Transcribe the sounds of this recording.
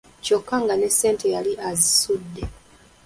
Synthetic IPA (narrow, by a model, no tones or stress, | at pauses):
co̞kːaŋɡane̞sːe̞ːnte̞jaliʔazisudːe̞